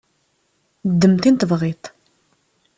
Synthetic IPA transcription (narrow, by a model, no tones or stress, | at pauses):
d̪ːəmt̪int̪əvʁit̪